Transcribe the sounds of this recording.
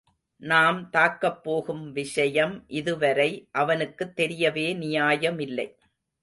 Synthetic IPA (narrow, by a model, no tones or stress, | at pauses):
naːmt̪aːkːɐpːoːɣɯmʋɪʂɐjɐmʔɪðɯʋɐɾɐɪʔɐʋɐnɯkːɯt̪ːɛɾɪjɐʋeːnɪjaːjɐmɪlːɐ̰ɪ